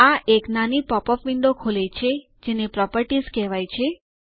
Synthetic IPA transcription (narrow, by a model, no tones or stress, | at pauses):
aʔeknanipɔpɔfʋiɳɖokʰolet͡ʃʰe | d͡ʒenepɾɔpəɾʈizkɛʋajt͡ʃʰe